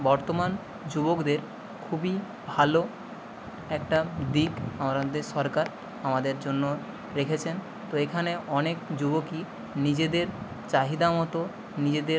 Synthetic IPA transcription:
bɔɾt̪oman | d͡ʑubokd̪eɾ | kʰubi | bʱalo | ɛkʈad̪ikamaɾɔd̪eʃɔɾkaɾ | amad̪eɾd͡ʑonːo | ɾekʰet͡ɕʰen | t̪oekʰaneɔnekd͡ʑuboki | nid͡ʑed̪eɾ | t͡ɕaɦid̪amɔt̪o | nid͡ʑed̪eɾ

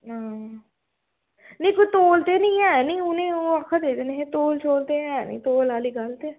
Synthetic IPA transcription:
ãː | neĩkot̪oːlt̪eːnĩːɛːnĩːʊnẽːoakʰːad̪eːd̪eneɦẽːt̪oːlt͡ʃʰoːlt̪eɛnḭ̃ːt̪oːlaːliːɡalt̪e

